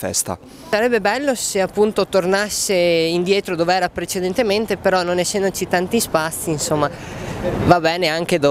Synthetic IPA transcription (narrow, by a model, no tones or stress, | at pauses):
fɛ̰st̪a̰ | saɾɛbːebɛlːoseapːunt̪ot̪ornasːeind̪jɛːt̪ɾod̪oːveɛːɾapɾet͡ʃed̪ent̪ement̪epeɾɔnonesːɛnd̪ot͡ʃit̪ant̪ispat̪sːiːnsomːa | vabɛːneaŋk̟ed̪o